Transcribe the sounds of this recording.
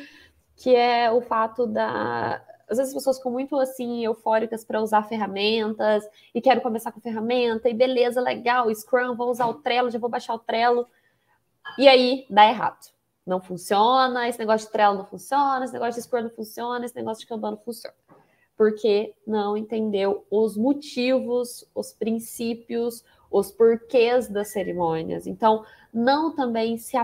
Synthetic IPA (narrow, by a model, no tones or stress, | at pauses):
kʰɪɛʊfat̪ʊd̪ɐ̰ | azvezɪzɐspesoɐskɐ̃mũj̃t̪ʊasĩewfɔɾikɐspɾɐuzaɾfeɦamẽnt̪ɐs | ɪkɛɾʊkõmesaɾkõfeɦamẽnt̪ɐɪbelezɐlḛɡawɪskɾɐ̃võw̃uzaɾʊt̪ɾɛlʊʒavowbaʃaɾʊt̪ɾɛlʊ | ɪaid̪aeɦa̰d̪ʊ | nɐ̃w̃fũsionɐesɪneɡɔsjʊd͡ʒʊ̥t̪ɾɛlʊnɐ̃w̃fũsiõnɐesɪneɡɔsjʊd͡ʒɪskɐɾnɐ̃w̃fũsiõnɐesɪneɡɔsjʊd͡ʒɪkɛ̃d̪ɐ̃nʊ̃fũsiõ̰nɐ | poɾkʰenɐ̃w̃ẽt̪ẽnd̪ewʊzmot͡ʃivʊsʊspɾĩsipiʊs | ʊspoɾkezd̪ɐsːeɾimõnḭɐ̰sḛ̃nt̪ɐ̃w̃ | nɐ̃w̃t̪ɐ̃mbẽj̃sɪa